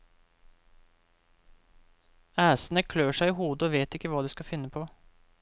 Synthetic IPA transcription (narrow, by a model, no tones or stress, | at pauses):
æːsənəkʰløːʂæɪɪɦuːd̪əɔʋeːt̪ɪkːəʋɑːd̪ɛskɑfɪnːəpʰoː